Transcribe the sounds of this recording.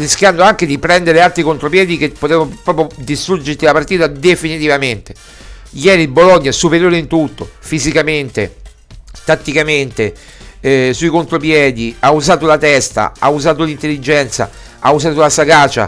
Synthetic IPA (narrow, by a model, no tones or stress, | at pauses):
risk̟jand̪oaŋk̟ed̪ipɾɛnd̪eɾealt̪ɾikont̪ɾopjɛːd̪ik̟epːot̪ɛːvopɾɔːpɾjod̪ist̪ɾud͡ʒeɾt̪ilapart̪iːt̪ad̪efinit̪ivament̪e̥ | jɛːɾiboloɲːaɛsupeɾjoːɾeint̪ut̪ːofizikament̪e | t̪at̪ːikament̪e | suikont̪ɾopjɛːd̪iauzaːt̪olat̪ɛst̪a̰a̰uzaːt̪̬olint̪elːid͡ʒɛnt̪sa̰ | auzaːt̪olasaɡaːt͡ʃːa̰